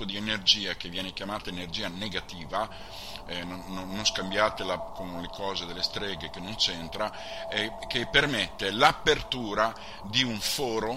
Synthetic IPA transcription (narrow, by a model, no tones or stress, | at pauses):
pod̪ienerd͡ʒiːak̟evːjɛːnekjamaːt̪aenerd͡ʒiːaneɡat̪iːva | ɛnononːõnskambjaːt̪elakonlekʰɔːzed̪elːest̪ɾɛːɡekenont͡ʃɛnt̪ɾa | ɛkːepːermet̪ːelapːert̪uːɾa | d̪iuɱfɔːɾo